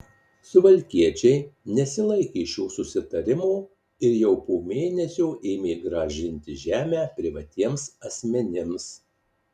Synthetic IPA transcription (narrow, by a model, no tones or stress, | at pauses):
sʊʋɐlʲkʲiɛt͡ʃʲɛɪnʲɛsʲɪlˠɐɪkʲeːʃʲuːsʊsʲɪt̪ɐɾʲɪmuː | ɪɾjɛʊpoːmʲeːnʲɛsʲuːʔeːmʲeːɡɾɐʒʲɪnʲt̪ʲɪʒʲæːmʲæːpʲɾʲɪʋɐt̪ʲiɛmsɐsʲmʲɛnʲɪms